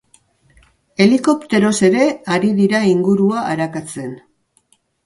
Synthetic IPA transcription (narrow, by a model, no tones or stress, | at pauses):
e̞liko̞pt̪e̞ɾo̞se̞ɾe̞aɾiðiɾaiŋɡuɾuaʔːɾakat͡se̞n